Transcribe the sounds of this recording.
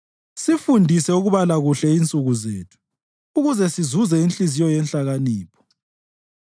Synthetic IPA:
sifundʱisɛuɣuβalaɣuɬɛint͡sʼuɣuzḛːtʰu̥ː | ɣuzɛsizuzɛinɬʼizijɔjɛnɬaɣaniːpʰɔ̥

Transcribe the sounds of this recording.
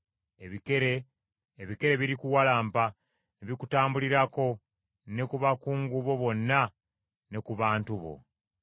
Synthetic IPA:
eβikeɾeː | βike̞ɾe̞βiɾikuwalaːmpa | neβikutaːmbuliɾako̞ | ne̞kuβakuːŋɡuβo̞βo̞nːa | ne̞kuβaːntuβo̞̰

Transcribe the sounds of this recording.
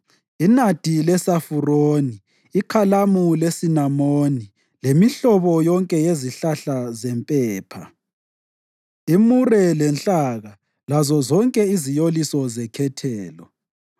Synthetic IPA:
inad̥ʱilɛsafuroːniː | kʰalamulesinamoni | lemiɬɔβɔjɔŋkʼɛjeziɬaɬazɛmpʼɛːpʰa̰ | imurɛlɛnt͡ɬʼaɣa | lazɔzɔŋkʼɛizijolisɔzɛkʰɛtʰɛːlɔ

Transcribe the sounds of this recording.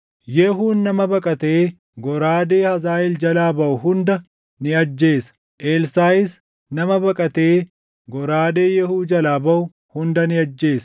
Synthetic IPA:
jɛɦuːnːɐmɐbɐkʼɐt̪e̞ː | ɡɔɾaːd̪eːhɐzaːʔɪld͡ʒɐlaːbɐʔʊhʊnd̪ɐ | nɪɐd͡ʒːe̞ːsɐ̥ | ʔeːlsaːɪs | nɐmɐbɐkʼɐt̪e̞ː | ɡɔɾaːd̪e̞ːjɛhuːd͡ʒɐlaːbɐʔʊ | hʊnd̪ɐnɪɐd͡ʒːe̞ːsɐ̥

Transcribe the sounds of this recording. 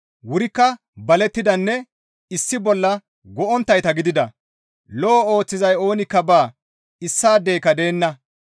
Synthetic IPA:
wʊɾɪkːɐ | bɐlɛt̪ːɪd̪ɐnːɛ | ɪsːɪbɔlːɐ | ɡɔʔɔnt̪ːɐjt̪ɐɡɪd̪ɪd̪ɐ | lɔːoːt͡sːɪzɐjo̞ːnɪkːɐbaː | ɪsːaːd̪e̞ːkɐd̪e̞ːnːɐ

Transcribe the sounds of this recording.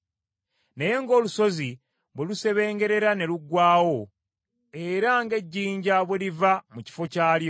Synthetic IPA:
neje̞ŋɡo̞ːluso̞zi | βweluse̞βe̞ːŋɡe̞ɾe̞ɾane̞luɡwaːwo̞ | e̞ɾaŋɡe̞ɟːiːɲɟaβwe̞livamuci̥fo̞caːljo

